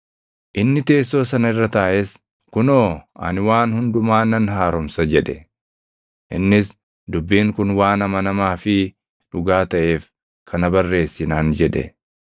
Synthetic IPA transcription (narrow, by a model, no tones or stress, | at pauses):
ʔɪnːɪt̪e̞ːsːo̞ːsɐnɐɪrːɐt̪aːʔɛs | kʊnoːɐ̰nɪwaːnhʊnd̪ʊmaːnɐnɦaːɾɔmsɐd͡ʒɛᶑɛ | ʔɪ̰nːɪs | d̪ʊbːiːŋkʊnwaːnɐmɐnɐmaːfɪ | ᶑʊɡaːt̪ɐʔe̞ːf | kʰɐnɐbɐrːe̞ːsːɪnaːnd͡ʒɛᶑɛ̰